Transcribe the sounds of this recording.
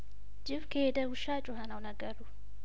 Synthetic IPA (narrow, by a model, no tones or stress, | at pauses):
d͡ʒɪβkʰəhed̪əwʊʃat͡ʃʼʊɦanawnəɡːəɾu